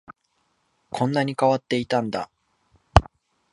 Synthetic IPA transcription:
kʰõ̞nːaɲ̟ikaβat̪ːe̞it̪ãnd̪a̰

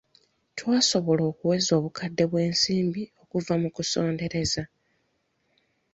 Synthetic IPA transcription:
twaːso̞βo̞lo̞ːkuwe̞zo̞ːβukʰadːe̞βwe̞ːnsiːmbio̞kuvamukuso̞ːnde̞ɾe̞za

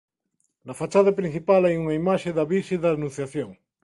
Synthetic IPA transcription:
nɐfat͡ʃaðɐpɾĩn̟θipalajuŋɐimaʃeðɐβiʃiðɐnũn̟θjaθjoŋ

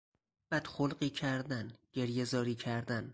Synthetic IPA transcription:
b̥æːd̪̥xolɢiːcʰæɾd̪ænɟe̞ɾjezɒːɾiːcʰæɾd̪æn

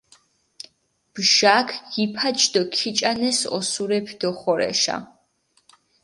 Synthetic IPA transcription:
b̥ʒaːkʰɡipʰat͡ʃʰʼd̪ɔkʰit͡ʃʼanɛsɔ̰suɾɛpʰd̪ɔχɔɾɛ̰ʃa̰

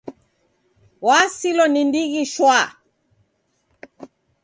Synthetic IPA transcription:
wasilɔnindiɣiʃwa

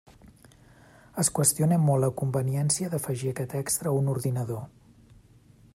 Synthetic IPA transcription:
əskwəst̪ionɛmːɔlːəkumbəniɛnsiəðəfəʒiəkɛt̪ɛkst̪ɾəunuɾðinəðo

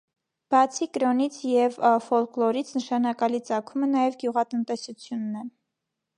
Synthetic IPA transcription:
b̥ɑt͡sʰikɾɔnit͡sʰjɛvəfɔlklɔɾit͡sʰnəʃɑnɑkɑlit͡sɑkʰumənɑjɛvɡjuʁɑt̪ənt̪ɛsut͡sʰjunːɛ

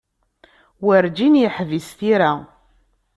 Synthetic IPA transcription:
wəɾd͡ʒinjəħvisθiɾa

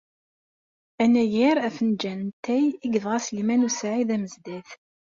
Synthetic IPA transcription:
ænæjiɾæfənd͡ʒænt̪ʰːæjiɡəðʁæslimænusʕiðæməzd̪æθ

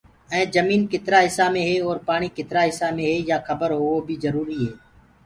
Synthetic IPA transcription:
ɛ̃ːd͡ʒəmiːnkɪt̪ɾaːɦɪsaːmẽːɦeːɔːɾpaːɳ̃iːkɪt̪ɾaːɦɪsaːmẽːɦeːjaːxʰəbəɾɦoːoːbʱiːzəɾuːɾiːɦeː

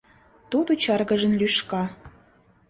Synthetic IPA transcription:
t̪ud̪ot͡ɕɑrɣə̆ʒə̆nlyʃkɑ

